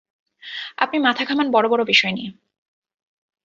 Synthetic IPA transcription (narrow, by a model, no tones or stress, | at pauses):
a̰pnimat̪ʰakʰamanbɔɾobɔɾobiʃɔenie